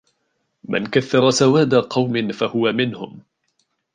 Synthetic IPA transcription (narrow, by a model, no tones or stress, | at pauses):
ma̰nkaθːɑɾˤɑsawaːd̪aqɑwmɪnfahʊwamɪnhʊm